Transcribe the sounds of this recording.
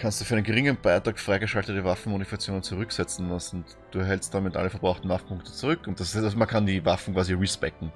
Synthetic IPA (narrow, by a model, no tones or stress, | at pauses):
kʰanstd̥uːfyːɐɛnənɡəʁɪŋənb̥aɪtʁ̥aːkfʁ̥aɪɡəʃaltətəvafn̩monifkat͡sjoːnənt͡suʁʏksɛt͡sn̩dasʊnt | d̥uːɐɦɛlst̚d̥aːmɪtʔa̰ləfɛɐb̥ʁaʊxtn̩vafpʊŋk̚tə̥t͡suʁʏkʊnt̚d̥asmankʰandiːvafn̩kv̥aːziʁispɛkŋ̩